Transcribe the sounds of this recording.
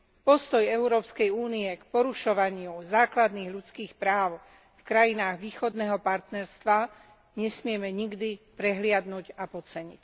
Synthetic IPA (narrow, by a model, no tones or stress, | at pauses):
pɔst̪ɔjɛʊɾɔːpskɛjuːniɛkpɔɾuʃɔʋaɲɪuzaːklad̪niːɣʎut͡skiːxpɾaːʊ | fkɾajinaːɣʋiːxɔd̪nɛːɦɔpaɾt̪nɛɾst̪ʋa | ɲɛsmɪɛmɛɲiɡd̪ipɾɛɦlɪad̪nuɟapɔt͡sɛɲḭc